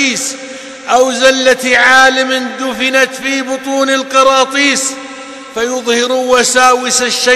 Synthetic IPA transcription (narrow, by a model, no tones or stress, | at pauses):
iːs | ʔawzalːat̪ʕaːlɪmɪnd̪ʊfɪnat̪fiːbʊt̪ˤuːnɪlqɑɾˤɑːt̪ˤiːs | fajʊðˤhɪɾwasaːwɪsaʃːa